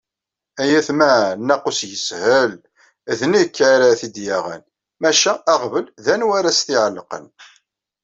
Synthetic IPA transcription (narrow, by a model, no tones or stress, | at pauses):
æjæθmænːæqusjəshəl | ðnikːʕaɾaθid̪jaʁæ̰n | mæʃæːʁvəlðænwaɾæst̪ɪʕəlːəqə̰n